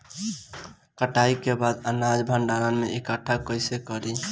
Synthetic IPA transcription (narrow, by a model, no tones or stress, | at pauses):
kəʈaikebad̪ənad͡ʒbʱəɳɖaɾənmeʔekəʈʰakəɪsekəɾi